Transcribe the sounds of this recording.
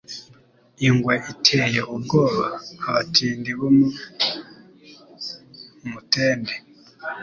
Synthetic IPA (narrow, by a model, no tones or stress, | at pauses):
iŋɡwaʔitʰejeʔubɡoːβaːβatʰiːndiβomu | muteːnde